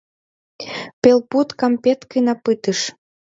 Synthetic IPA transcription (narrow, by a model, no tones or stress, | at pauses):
pelput̪kɑmpet̪kəjnɑpɨt̪əʃ